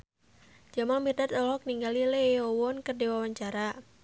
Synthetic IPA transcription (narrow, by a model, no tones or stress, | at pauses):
d͡ʒamaŋmirdat̪ɔlɔk̚niŋɡalileɔwɔnkərdiwawaɲt͡ʃaɾa